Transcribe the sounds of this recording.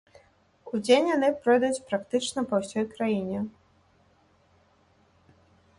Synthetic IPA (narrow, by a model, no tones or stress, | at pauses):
ud͡zʲenʲjanɨpɾɔjd̪ut͡sʲpɾakt̪ɨt͡ʂnɐpɐwsʲɔjkɾajinʲɛ